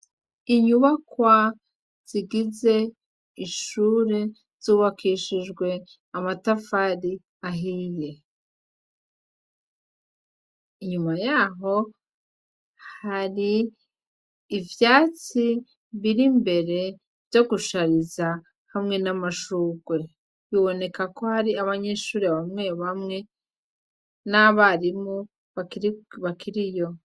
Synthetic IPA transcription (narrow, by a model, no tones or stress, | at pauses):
iɲuβakwa | z̥iɡize̞ | iʃuːɾe̞ | z̥uːβakʰiʃiʒɡwe̞ | amatafaɾi | aɦiːje̞ | iɲumajaːɦo̞ | haɾi | vjaːt͡si | βiɾimbe̞ɾe̞ | vjo̞ɡuʃaɾiza | hamŋe̞namaʃuːɡwe̞ | βiβo̞ne̞kako̞haɾiaβaɲe̞ːʃuːɾiβamŋe̞βamŋe̞ | naβaɾimo | βakβakʰiɾijo̞